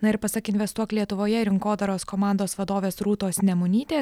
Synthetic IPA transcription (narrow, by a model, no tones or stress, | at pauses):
nɐɪɾpɐsɐkɪnʲʋʲɛst̪uɔklʲiɛt̪ʊʋoːjɛɪɾʲɪŋkoːd̪ɐɾoːskɔmɑˑnd̪oːsʋɐd̪oːʋʲeːsɾuːt̪oːsnʲɛmʊnʲiːt̪ʲeː